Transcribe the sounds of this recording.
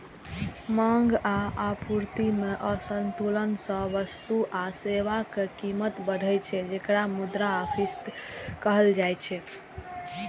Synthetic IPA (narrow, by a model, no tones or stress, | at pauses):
mãŋɡaapuɾt̪imeʔəsənt̪ulənsə̃ʋəst̪uʔaseʋakekimət̪bəɽʱəjt͡ʃʰɛd͡ʒekɾamud̪ɾaəpʰist̪kəɦəld͡ʒajt͡ʃʰɛ